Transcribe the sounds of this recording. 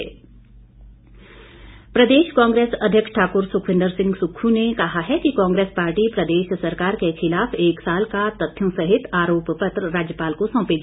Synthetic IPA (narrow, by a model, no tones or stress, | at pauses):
pɾɐd̪eːʃkãːŋɡɾeːsɐd̪ʱjəkʃʈʰaːkʊɾsʊkʰʋɪ̃nd̪əɾsɪ̃ŋɡsʊkʰːũnekɐɦaɦɛkikãːŋɡɾeːspaːɾʈipɾɐd̪eːʃsɐɾkaːɾkexɪlaːfeːksaːlkat̪ɐt̪ʰːjə̃sɐɦɪt̪aːɾoːppət̪ɾɾaːd͡ʒjəpaːlkosɔ̃ːped͡ʒ